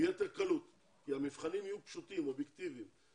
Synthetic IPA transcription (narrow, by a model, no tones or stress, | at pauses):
jet̪eʁkalut̪ | kihamifχanimijupʃut̪imobjekt̪ivim